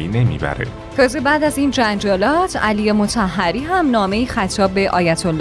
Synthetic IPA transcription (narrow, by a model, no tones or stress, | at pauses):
ine̞mḭbæ̰ɾḛ | kɒːzebæːd̪æziːnd͡ʒænd͡ʒɒːlɒːt̪ʰælijemo̞t̪ʰæɦːæɾiːɦæmnɒːme̞ixæt̪ʰɒːbːe̞ʔɒ̰ːjæt̪ʰolː